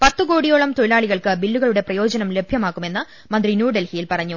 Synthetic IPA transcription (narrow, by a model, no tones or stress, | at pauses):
pɐt̪ːɨko̞ːɽijoːɭɐmt̪oɭilaːɭiɣɐɭkɨbilːuɣɐɭuɽe̞prɐjo̞ːd͡ʑɐnɐmle̞bʱjɐmaːkːumenːɨ | mɐnd̪rinjuːɖelhijilpɐrɐɲːu